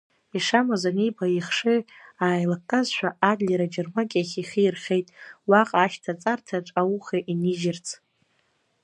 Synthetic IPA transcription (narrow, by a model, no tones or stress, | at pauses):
iʂamazanijbʰaiχʂɨaːjlakkʼːazʃʷᶣaʔadlʲeɾad͡ʒɪrmakʲʼaχʲiχiirχʲe̞jtʼwaqʼaːʃtʰat͡sʼartʰaʈ͡ʂʷʼawuχeʔiniʒɪrt͡sʰʼ